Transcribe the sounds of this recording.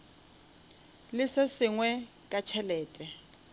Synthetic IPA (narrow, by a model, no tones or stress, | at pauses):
lɪsɪsɪŋwɛ | kʼat͡ʃʰɛlɛːtʼɛ